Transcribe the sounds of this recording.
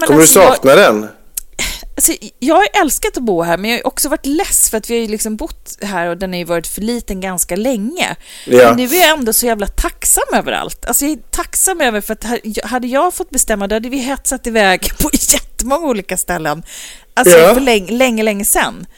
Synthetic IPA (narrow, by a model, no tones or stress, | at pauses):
mɛnkʰɔmːəɾɵsɑːknad̪ɛn | alsɔjɑːɡhajʔɛlskat̪ɔbuːɦæːɾmɛnjɑːhaj̰ʔɔksɔvaʈːlɛsːfœɾat̪vɪhajɵlɪksɔmbʊt̪ːɦæːɾɔd̪ɛnhaɾjʏvɑːɾɪt̪fœɭiːt̪ənɡanskalɛŋːə̰ | nːʉ̟ːæɾjaɛnd̪ɔsɔjæːvlat̪ʰaksamːøːvə̰ɾa̰lt̪ʰalsɔjat̪ʰaksamːøːvəɾfœɾat̪hajɦad̪ːəjɑːɡfɔt̪ːbɛst̪ɛmːad̪ohad̪ːəvɪjɦɛt̪sat̪ːɪvɛːɡpʰɔjɛt̪ːəmɔŋːauːliːkast̪ɛlːən | alsɔflɛŋlɛŋːəlɛŋːəsɛnː